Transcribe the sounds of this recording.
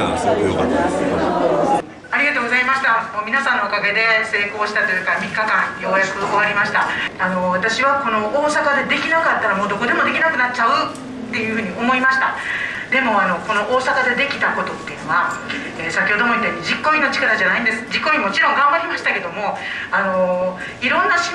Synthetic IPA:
aɾʲiɡat̪o̞ːɡozaimaɕi̥t̪amoːmʲinasãnːo̞okaɡe̞d̪e̞se̞ːko̞ːɕi̥t̪at̪o̞jɯ̟kamʲikːakãɰ̃jo̞ːjakɯ̟o̞βaɾʲimaɕi̥t̪aano̞βat̪aɕiβako̞no̞oːsakad̪e̞d̪e̞kʲinakat̪ːaɾamo̞ːd̪o̞ko̞d̪e̞mo̞d̪e̞kʲinakɯ̟nat͡ɕaɯ̟ | t̪ːe̞jɯ̟ɸɯ̟ːɲ̟io̞mo̞imaɕi̥t̪a | d̪e̞mo̞ano̞ko̞no̞ʔoːsakad̪e̞d̪e̞kʲi̥t̪ako̞t̪o̞t̪ːe̞iɯ̟no̞βa | eːsakʲoːd̪o̞moɲit̪ːeɲʲid͡ʑikːoɲinot͡ɕi̥kaɾaʑanaĩnd̪e̞sɨ̥d͡ʑikːoɲ̟imo̞t͡ɕiɾõ̞ŋɡãmbaɾʲimaɕi̥t̪ake̞d̪o̞moano̞ | iɾõ̞nːaɕi̥

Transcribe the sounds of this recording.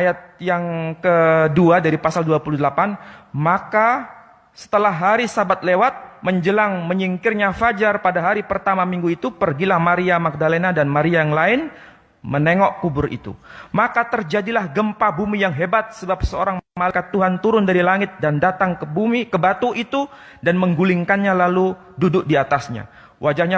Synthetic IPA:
ajat̪̚jaŋkəduadaɾipasalduapuludəlapanmaka | sə̥t̪əlaɦːaɾisabat̪̚lewat̪̚məɲd͡ʒəlaŋməɲiŋkɪrɲafad͡ʒarpadaɦaɾipərt̪amamiŋɡuit̪upərɡilahmaɾiamak̚dalenadanmaɾiajaŋlaɪn | məneŋɔʔkubʊrʔḭt̪ṵmakat̪ərd͡ʒadilahɡəmpabumijaŋɦebat̪̚səbap̚səoɾaŋmalkat̪ːuɦant̪uɾʊndaɾilaŋɪt̪̚dandat̪aŋkəbumikəbat̪uʔit̪u | danməŋɡulɪŋkanɲalalu | dudʊk̚diat̪asɲa̰ | wʔad͡ʒahɲa

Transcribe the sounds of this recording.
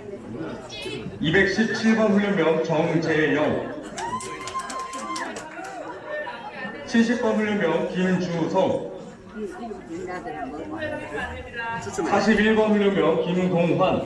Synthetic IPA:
ibek̚ɕ͈ʰip̚t͡ɕʰiɭbʌnɦuɲumjʌnt͡ɕʌŋd͡ʑejʌn | t͡ɕʰiɭɕ̬͈ʰip̚p͈ʌnuɲumjʌnkimt͡ɕusʰʌŋ | sʰaɕ̬ʰibiɭbʌnɲomjʌnkimtoŋɦwan

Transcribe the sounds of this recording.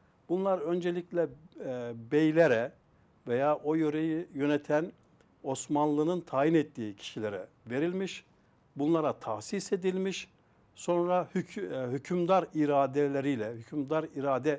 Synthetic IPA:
b̥unlˠaɾønd͡ʒelʲiclʲɛ | bejlʲeɾɛ | vejaːʔo̞jøɾejijø̞nɛt̪ʰæn | o̞smanlˠɯnɯnt̪ʰaːɦinɛt̪ːiːcʰi̥ʃilʲeɾɛ̰ | ve̞ɾilʲmiʃ | bunlˠaɾat̪ʰaxsise̞d̪ilʲmiʃ | so̞nɾahɦycʰymd̪aɾiɾaːd̪elʲeɾijlʲɛhycʰymd̪aɾiɾaːd̪ɛ

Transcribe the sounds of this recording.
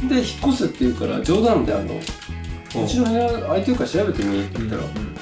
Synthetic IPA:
d̪e̞çi̥kːo̞sɨt̪ːejɯ̟ka̰ɾa̰d͡ʑo̞ːd̪ãnd̪ea̰nd̪a̰mot͡ɕiɾõheaait̪eɯ̟kaɕiɾabe̞t̪emʲiɯt̪ːeit̪a̰ɾa̰

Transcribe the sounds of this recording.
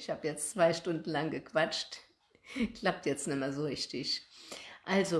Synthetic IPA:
ɪçhaːbəjɛt͡st͡sv̥aɪʃtʊndn̩laŋɡəkv̥at͡ʃt | kl̥ap̚tjɛt͡stnɪmɐzoʁɪçtɪç | ʔalzo

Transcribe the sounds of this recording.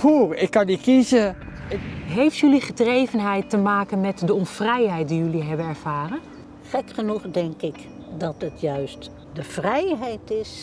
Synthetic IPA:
uːrɪkːɑndikizə | ɦejftjɵliχədrejvənɦɛjtːəmaːkənmɛtdəɔnfrɛjɦɛjt̚dijɵliɦɛbənɛɹv̥aːrən | χɛkχənuχdɛŋkɪk | dɑtətjœɥst | dəv̥rɛjɦɛjtɪs

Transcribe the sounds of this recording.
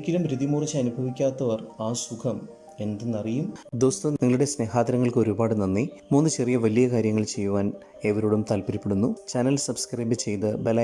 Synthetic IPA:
kʲːilɐmɾiðimuːrɐt͡ɕːɨɐnubʱɐʋikʲːaːt̪ːɐʋɐraːsukʰɐm | e̞nd̪enːɐrijumd̪o̞ːst̪uniŋːɐɭuɽe̞sne̞ːxaːt̪ːɐɾɐŋːɐɭkɨo̞ɾubaːɽɨnɐnːimuːnːɨt͡ɕe̞rijɐʋɐlijɐkaːɾjɐŋːɐɭt͡ɕe̞jːuʋaːn | e̞ʋɐɾoːɽumt̪ɐlpɐɾipːeɽunːut͡ɕɐnɐlsɐbskrɐjbɨt͡ɕe̞jt̪ɨbelɐ

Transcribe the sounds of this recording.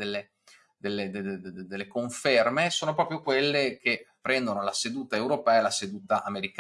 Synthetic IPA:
elːe | d̪elːed̪ed̪elːekoɱfermesoːnopɾɔːpɾjokwelːek̟epːɾɛnd̪onolased̪uːt̪aewɾopɛːalased̪uːt̪aʔameɾik

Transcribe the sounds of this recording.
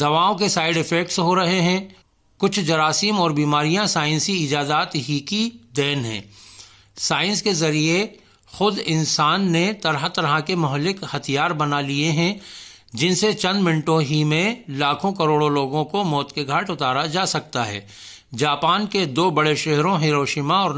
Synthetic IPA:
d̪ɐʋaːõkesaːɪɖɪfɛk̚ʈsɦoɾɐɦeɦɛ̃ | kʊt͡ʃʰd͡ʒɐɾaːsimɔːɾbiːmaːɾijãsaːɪ̃nsiɪd͡ʒaːzaːt̪ɦikid̪ɛːnɦɛ̰̃ː | saːɪ̃nskezɐɾie | xʊd̪ɪnsaːnːet̪ɐɾɦat̪ɐɾɦakemʊɦəlːɪkhɐt̪ʰijaːɾbɐnalieɦɛ̃ | d͡ʒɪnset͡ʃɐ̃nd̪mɪ̃ɳʈõɦimẽlaːkʰõkɐɾoːɽõloːɡõkomɔːt̪keɡʱaːʈʊt̪aːɾad͡ʒaːsɐk̚t̪aɦɛ̰ː | d͡ʒaːpaːnked̪oːbɐɽeʃɛɦɾõɦiːɾoːʃiːmaɔːɾ

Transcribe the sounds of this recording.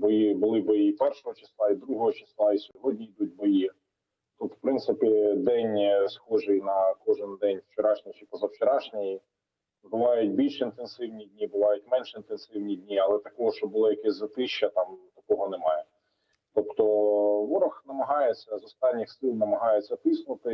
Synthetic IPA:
bɔjibʊlˠɪbɔjipɛrʃɔɦɔt͡ʃɪ̥slˠɑid̪ɾuɦɔɦɔt͡ʃɪ̥slˠɑisʲɔɦɔdʲnʲiid̪ut̚ʲbɔji | t̪ɔp̪wpɾɪnt̪sɪpʲid̪ɛnʲsxɔʒɪjnɐkɔʒɪnd̪ɛnʲwt͡ʃeɾɑʃnʲɪt͡ʃɪpɔzɐwt͡ʃeɾɑʃnʲɪji | bʊʋɑjʊt̚ʲbʲilʲʃint̪ensɪwnʲidʲnʲibʊʋɑjʊt̚ʲmɛnʃint̪ensɪwnʲidʲnʲiɐlˠɛt̪ɐkɔɦɔʃt͡ʃɔbʊlˠɔjɐkɛsʲzɐt̪ɪʃːɐt̪ɑmt̪ɐkɔɦɔnemɑjɛ | t̪ɔpt̪ɔʋɔɾɔxnɐmɐɦɑjet͡sʲːɐzɔst̪ɑnʲːixsɪlˠnɐmɐɦɑjet͡sʲːɐt̪ɪsnʊt̪ɪ

